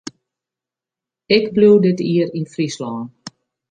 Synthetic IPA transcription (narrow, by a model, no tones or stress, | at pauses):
ɪkbluwdɪtiəɾinfrislɔːn